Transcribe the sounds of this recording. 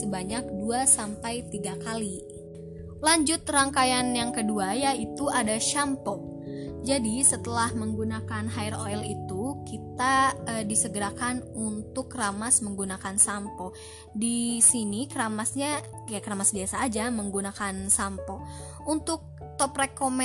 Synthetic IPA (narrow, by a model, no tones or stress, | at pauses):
səbaɲak̚duasampajt̪iɡakali | laɲd͡ʒʊt̪raŋkajanjaŋkəduajait̪uadaʃampɔd͡ʒadisət̪əlahməŋɡunakanɦairoɛlit̪ukit̪aədisəɡəɾakanunt̪ʊkramasməŋɡunakansampɔ | disinikəɾamasɲa | kjakəɾamasbiasaːd͡ʒaməŋɡunakansampɔ | unt̪ʊk̚ | t̪ɔprekomɛ